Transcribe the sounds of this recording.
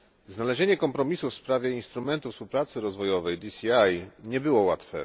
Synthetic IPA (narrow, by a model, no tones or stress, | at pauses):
znalɛʑeɲɛkɔmpɾɔmʲisufspɾavʲjɛinst̪ɾumɛnt̪ufspuwpɾat̪sɘɾɔzvɔjɔvɛjd̪isʲiajɲɛbɘwɔwat̪fɛ̰